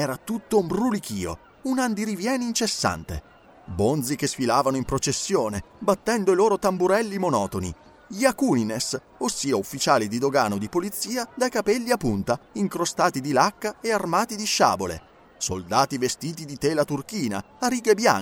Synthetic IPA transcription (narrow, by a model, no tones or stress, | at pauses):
ɛːɾat̪ut̪ːoumbrulikiːo̰ | unand̪iɾivjɛːneint͡ʃesːa̰nt̪ḛ | bond̪zikesfilaːvanoimpɾot͡ʃesːjoːnebat̪ːɛnd̪oiloːɾot̪ambuɾɛlːimonɔːt̪onḭ | jakunines | osːiːaufːit͡ʃaːlid̪id̪oɡaːnod̪ipolit̪siːad̪ajkapelʎːiapːunt̪aiŋkɾost̪aːt̪id̪ilakːaearmaːt̪id̪iʃa̰ːbolḛ | sold̪aːt̪ivest̪iːt̪id̪it̪ɛːlat̪urkiːna̰aɾiːɡebja̰ŋ